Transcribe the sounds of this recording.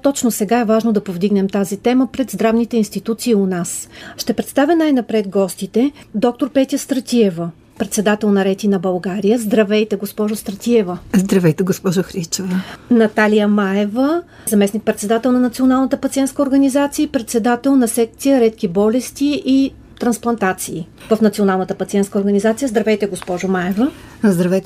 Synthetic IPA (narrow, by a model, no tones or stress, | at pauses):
t̪ɔt͡ʃnosɛɡaɛvaʒnod̪ɐpovd̪iɡnɛmt̪azit̪ɛməpɾɛd̪zd̪ɾavnit̪ɛinst̪it̪ut̪siːʊnasʃt̪ɛpɾɛt̪st̪avʲənajnɐpɾɛd̪ɡɔst̪it̪ɛd̪ɔk̚t̪oɾpɛt̪ʲjəst̪ɾɐt̪ʲiɛvə | pɾɛt̪sɛd̪at̪ɛlˠnɐɾɛt̪ʲinɐbɐlˠɡaɾijəzd̪ɾɐvɛjt̪ɛɡospɔʒʊst̪ɾət̪ʲiɛvəzd̪ɾɐvɛjt̪ɛɡospɔʒoxɾit͡ʃɛvɐnɐt̪alijəmaɛvə | zɐmɛsnik̚pɾɛt̪sɛd̪at̪ɛlˠnɐnɐt̪sionalˠnət̪əpɐt̪siɛnt̪skəoɾɡɐnizat̪siəpɾɛt̪sɛd̪at̪ɛlˠnɐsɛk̚t̪sijəɾɛt̪kʲibɔlɛst̪iʔi | t̪ɾɐnsplˠɐnt̪at̪siː | vɐfnɐt̪sionalˠnət̪əpɐt̪siɛnt̪kəoɾɡɐnizat̪sijəzd̪ɾɐvɛjt̪ɛɡospɔʒʊmaɛvəzd̪ɾɐvɛjt̪ɛ